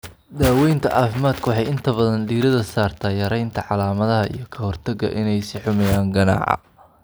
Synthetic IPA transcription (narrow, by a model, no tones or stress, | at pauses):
d̪aːwɛjnt̪ʰɐʔɑːfɪmaːd̪kʰʊwɑħɑjɪnt̪ʰɐβɐðɐnɖ̪iːɾɐðɐsaːrt̪ʰaːjɐɾɛjnt̪ʰɐʕɑlaːmɐðɐɦɐʔḭjɞkʰɐhɔrt̪ʰɐɡɐ̰ʔɪnɛjsɪħʊmɛjaːŋɡɐna̰ːʕɑ̰